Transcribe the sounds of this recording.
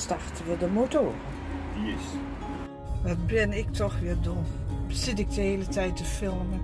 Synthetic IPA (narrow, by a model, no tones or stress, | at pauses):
stɑrtəvʊdəmotoːrə | ʋɑtbɪnɪk̚tɔχʋɪːɹdʊsɪtɪk̚dəɦejlətɛjtəfɪlˠmə